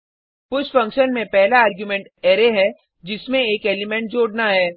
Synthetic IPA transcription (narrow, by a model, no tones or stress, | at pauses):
pʊt͡ʃfɐ̃ŋkʃənmẽpɛɦlaaːɾɡjumẽːɳʈeːɾeɦɛ | d͡ʒɪsmẽeːkeːlimɛ̃ɳʈ̚d͡ʒoːɽnaɦɛː